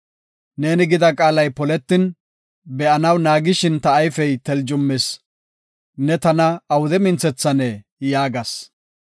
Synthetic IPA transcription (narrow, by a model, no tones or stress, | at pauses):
ne̞ːnɪɡɪd̪ɐkʼaːlɐjpɔlɛt̪ːɪn | bɛʔɐnɐwnaːɡɪʃɪnt̪ɐːjfɛjt̪ɛld͡ʒʊmːɛs | nɛt̪ɐnɐːwʊd̪ɛmɪnt͡sɛt͡sːɐnɛ | jaːɡɐs